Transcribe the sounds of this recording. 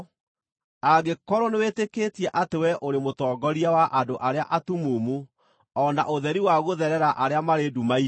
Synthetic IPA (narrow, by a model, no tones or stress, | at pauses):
aɡekɔɾɔnewetekeːtiɛʔatewɛʔoɾemotɔːɡɔɾiawaʔadoʔaɾeaʔatumoːmu | ɔna̰ʔoðɛɾiwaɣoðɛɾɛɾaʔaɾeamaɾedumai